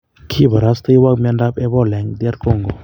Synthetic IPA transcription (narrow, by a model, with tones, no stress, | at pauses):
kʰi˦ba˨ɾa˦st̪ə˦jwa˦k̚ma˧nda˦pɛ˦bɔ˦lɛ˨ŋd̪i˦a˦ɾko˦˨ŋɡo˨